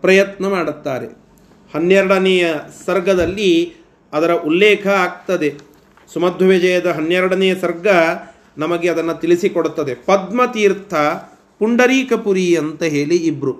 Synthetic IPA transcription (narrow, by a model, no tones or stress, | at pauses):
pɾɐjɐt̪nɐmaːɽut̪ːaːɾe̞̰ | hɐnjɛɾɐɽɐnɛjɐsɐɾɡʱɐd̪ɐlːi | ɐd̪ɐɾɐʔulːɛːkʰɐaːɡ̚t̪ɐd̪e | sumɐd̪ʱʋɐʋed͡ʒɐjɐd̪ɐɦɐnjɛɾɐɽɐnɛjɐsɐɾɡʱɐ | nɐmɐɡeɐd̪ɐnːɐt̪ilisikoɽut̪ːɐd̪epɐd̪mɐt̪iːɾt̪ʰɐ | puɳɖɐɾiːkɐpuɾiɐnt̪ɐɦeːliːbɾu